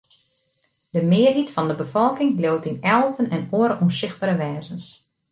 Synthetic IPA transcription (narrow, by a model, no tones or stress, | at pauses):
d̥əmɪərɦitfɔndəbəfɔlˠkɪŋlowtinɛlˠvənɛnoəɾəunsɪx̚baɾəʋɛːzəns